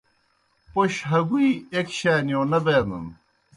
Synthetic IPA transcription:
poɕɦɐɡuiekɕaːnijoːnɐbeːnd̪ə̰n

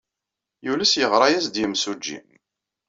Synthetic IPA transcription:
julæsjəʁɾˤɑjæsd̪jəmsud͡ʒːḭm

